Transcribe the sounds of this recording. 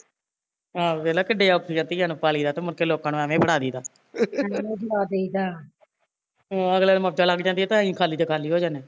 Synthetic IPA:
ɦãːʋeːlaːkəɖeːaːʊkʰijãːt̪iːjãːnũːpaːliːd̪aːt̪eːmʊɾkeːloːkãːnũːɛːʋẽːbəɽaːd̪iːd̪aː | eːbɽaːd̪eid̪aː | əɡlaːd̪məp̚d͡ʒaːlaɡd͡ʒãːnd̪iːɛːt̪ãːĩːkʰaːliːt̪eːkʰaːliːɦoːd͡ʒaːneː

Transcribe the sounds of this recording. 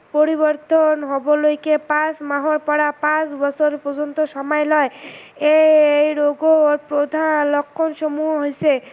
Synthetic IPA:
poɾibɔɾt̪ɔnɦobolojkepãsmaɦɔɾpɔɾapãsbɔsʰoɾpod͡ʒɔnt̪oʃɔmɔjlɔeeejɾoɡoɾpɾod̪ʱalɔkʰːɔnʃɔmuɦɔɦojse

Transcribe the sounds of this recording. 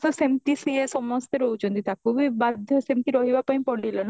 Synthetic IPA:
sɔsemt̪isiesɔmɔst̪eɾout͡ʃund̪it̪akubibad̪ʱjɔsemt̪iɾɔɦibapɔ̃ĩpɔɽilɔn

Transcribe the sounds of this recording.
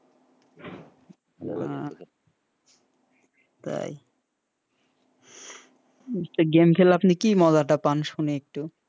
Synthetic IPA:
a | t̪a̰j | eaɡemkʰelapnikimɔd̪aʈapanʃuneek̚ʈu

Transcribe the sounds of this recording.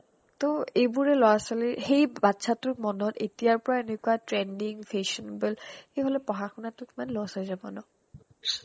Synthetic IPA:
toebuɹɛlɔasalixejbatːsʰatʊɹmɔnɔtetijaɹpɔɹaenekuwatɹɛndiŋfʰeʃɔnbɛlxejɦolɛpɔɦaxʰunatʊtmanlɔasɔzamɔ̰nɔ

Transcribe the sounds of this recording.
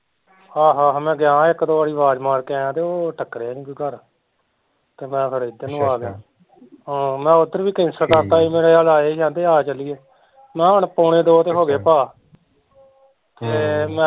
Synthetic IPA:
haːɦaːɦmɛ̃ːɡɪjãːɪkːd̪oːaːɽiːʋaːd͡ʒmaːɾkɛ̃ːãːt̪eːoːʈʰəkːɾeːãːnĩːkiːɡəɾ | t̪eːmɛ̃ːpʰəɾeːd̪eːnũːaːɡɪjãː | omɛ̃ːʊd̪əɾʋiːkɪnsəɾkəɾt̪aːiːmeːɽeːaːlaːeːʃãːnd̪eːaːt͡ʃəliːeː | mɛ̃ːəɳpoːɳẽːd̪oːt̪eːɦoːɡeːpaː | t̪eːmɛ̃

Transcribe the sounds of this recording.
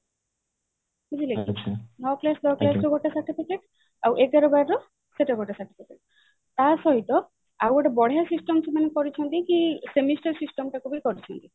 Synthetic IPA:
id͡ʒilekinɔklasd̪ɔklasɾɔɡɔʈasaɾʈipikeʈ | awʔek̚ɡaɾɔbaɾɾɔ | seʈaɡoʈasaɾʈipʰikeʈ̚ | t̪asɔɦit̪ɔ | awaʈabɔɽ̤ejasisʈɔmsʰimanekɔɾit͡ʃʰɔnt̪ikisemisʈaɾsisʈɔmʈakubɔikɔɾit͡ʃʰɔnt̪i

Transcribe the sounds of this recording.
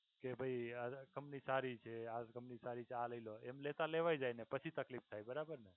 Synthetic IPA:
kebʱəiəɡəmnisaɾit͡ʃʰead͡ʒɡəmnisaɾit͡ʃʰealəiloemlet̪ãleʋajd͡ʒajnepət͡ʃʰit̪əklipt̪ʰajbəɾabəɾnə

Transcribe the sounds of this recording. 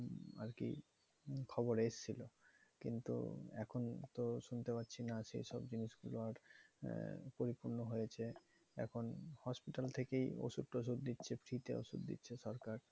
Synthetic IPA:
a̰ɾkḭ | kʰɔboɾeʃt͡ɕʰilokḭnt̪ṵɛ̰kʰont̪oʃunt̪epat̪ːɕʰinaʃejʃɔbd͡ʑiniʃɡuloaɾ | poɾipuɾnoɦojet͡ɕʰe | ɛ̰kʰonhɔspiʈalt̪ʰekejo̰ʃud̪̚ʈoʃ̬ud̪d̪itːɕʰepʰɾit̪eo̰ʃṵd̪d̪ḭtːɕʰeʃɔɾkaɾ

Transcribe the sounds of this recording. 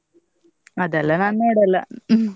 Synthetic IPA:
ɐðɐlːɐnɐnːeːɽɐlːɐ̰

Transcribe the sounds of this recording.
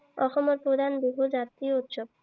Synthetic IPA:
ɔxɔmoɾpɾod̪ʱanbibʱud͡ʒat̪ɾiout̪ʃob̚

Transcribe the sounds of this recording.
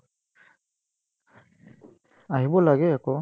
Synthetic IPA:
aɦibɔlaɡɛakɔ

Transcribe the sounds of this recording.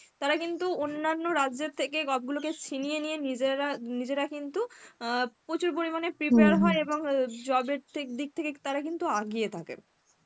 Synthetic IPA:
t̪aɾakint̪uonːanːoɾad͡ʑet̪ʰːekeɡɔb̚ɡuloket͡ɕʰinijenijenid͡ʑɾanid͡ʑeɾakint̪u | pot͡ɕuɾp̬oɾimanepɾipeaɾɦɔeeboŋd͡ʑɔbeɾt̪ʰekd̪ik̚t̪ʰeket̪aɾakint̪uaɡijet̪ʰakḛn

